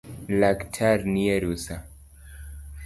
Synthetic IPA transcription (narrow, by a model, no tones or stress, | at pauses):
laktʰaɾniɛɾusa